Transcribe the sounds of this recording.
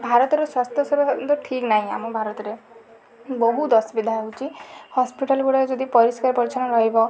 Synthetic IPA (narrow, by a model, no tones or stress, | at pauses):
bʱaɾɔt̪ɔɾɔswast̪ʰjɔsɔbɔt̪ɔʈʰiknaɦĩa̰mɔbʱaɾɔt̪ɔɾe | bɔɦud̪ɔsbid̪ʱaeɦut͡ʃʰihɔspiʈalɡuɽaɾed͡ʒɔd̪ipɔɾiskaɾpɔɾit͡ʃʰañɔɾɔɦibɔ